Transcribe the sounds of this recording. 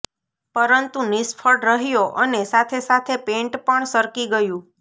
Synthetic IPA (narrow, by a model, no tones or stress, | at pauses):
pəɾənt̪unɪsfʰəɽɾəɦjoʔənesat̪ʰesat̪ʰepẽɳʈpəɳsəɾkiɡəjũ